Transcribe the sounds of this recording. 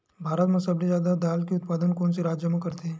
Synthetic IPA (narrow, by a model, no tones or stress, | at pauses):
bʱaːɾət̪mãsɐblizjaːd̪ad̪aːlkiʊt̪̚paːd̪ənkoːnsiɾaːd͡ʒjəmãkəɾt̪e